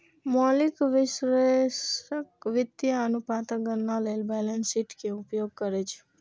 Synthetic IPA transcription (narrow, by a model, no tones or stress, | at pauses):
mɔlikʋisɾesəkʋit̪jaənupãt̪əɡənnʌləlbɛlənsiʈkeupjoɡ̚kəɾet͡ʃʰe̥